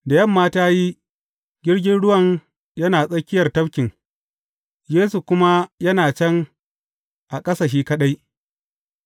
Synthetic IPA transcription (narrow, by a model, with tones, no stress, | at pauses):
da˨jɐ˦mːaː˦taː˦ji˦ | ɡʲɪ˦rɡʲɪ˦nɽʊ˦wɐ˨ŋ | jɐ˦naː˨sʼɐ˦kʲɪ˦jɐ˨rtɐ˦bkʲɪ˨ŋ | jeː˦su˨kʷʊ˦ma˦jɐ˦naː˨t͡ʃɛ˦ŋ | ʔa˨kʼɐ˦saː˨ʃ̬iː˦kɐ˦ɗa˦j